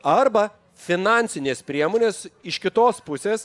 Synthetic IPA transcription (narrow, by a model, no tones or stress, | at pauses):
ɐɾbɐ | fʲɪnɑːnʲsʲɪnʲeːspʲɾʲiɛmoːnʲeːsɪʃkʲɪt̪oːspʊsʲeːs